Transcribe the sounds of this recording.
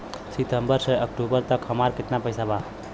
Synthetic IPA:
sit̪əmbəɾseəkʈubəɾt̪əkɦəmaɾkɪt̪napəjsaba

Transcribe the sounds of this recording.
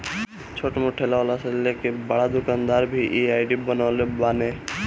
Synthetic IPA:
t͡ʃʰoʈmoʈʰelaɔlaselekebaɽad̪okand̪aɾbʱiʔiajɖibənalebane

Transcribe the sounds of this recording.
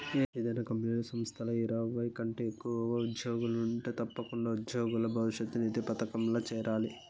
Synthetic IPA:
eed̪ɐjnaːkɐmpnuːlɐsɐmst̪ʰɐlɐiɾɐʋɐjkɐɳʈeːkːuʋɐʋɐud̪joːɡulɐnuɳʈeːt̪ɐpːɐkuɳɖaːud̪joːɡulɐbʱɐʋiʃjɐt̪ːunid̪epɐt̪ɐkɐmlɐːt͡ʃɛːɾʔaːli

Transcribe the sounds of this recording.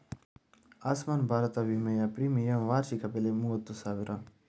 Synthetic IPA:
aːsmaːnbʱaːɾɐt̪aʋimejapɾimijɐmʋaːɾt͡ʃikɐpelemuɐt̪ːusaːʋiɾʔa

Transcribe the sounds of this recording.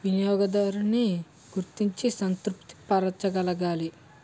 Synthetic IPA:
ʋinijɔːɡɐd̪ɐɾuni | ɡ̥uɾt̪iɲt͡ʃisɐnt̪ɾupt̪i̥pɐɾɐt͡ʃːɐɡɐlɐɡaːli

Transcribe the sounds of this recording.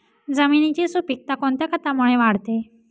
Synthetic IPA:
d͡zəminit͡ɕisupik̚t̪akoɳt̪jakʰət̪amuɭeʋaɽt̪e

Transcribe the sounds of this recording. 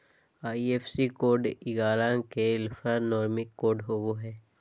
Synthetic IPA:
aːieːpʰsikoːɾɖɪɡaːɾãkeɪlfʰanɔːɾmɪkːoːɾɖɦoːɡoɦɛː

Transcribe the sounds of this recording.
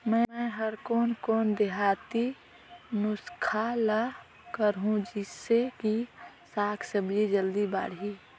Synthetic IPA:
mɛ̃mɛ̃ɦəɾkoːnkɔːnd̪eɦat̪i | nʊskʰala | kəɾɦũd͡ʒɪsːeki | saːkʰsəbied͡ʒəld̪iba̰ːɽɦi

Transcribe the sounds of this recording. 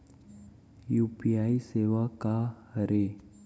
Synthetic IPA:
juːpiaːiseːʋaka | ɾe

